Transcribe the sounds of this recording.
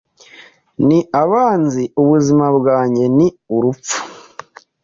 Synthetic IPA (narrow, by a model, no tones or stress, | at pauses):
niʔaβaːnziuβuzimabwaːɲɟe̞niuɾup͡fu̥